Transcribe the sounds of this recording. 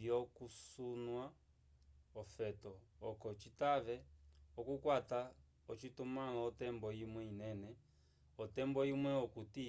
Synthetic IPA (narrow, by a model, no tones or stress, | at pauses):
jɔkusunwa | ɔfɛtɔːkɔt͡ʃitaβɛɔkukwata | ɔt͡ʃitumalɔɔtɛmbɔimwɛinɛnɛ | ɔtɛmbɔimwɛɔkuti